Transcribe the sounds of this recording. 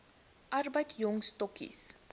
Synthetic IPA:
ʔɐrbəjtjɔŋstɔkḭs

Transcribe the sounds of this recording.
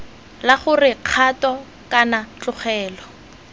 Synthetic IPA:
laχʊrɪq͡χʰatɔ | kanat͡ɬʼʊχɛːlɔ

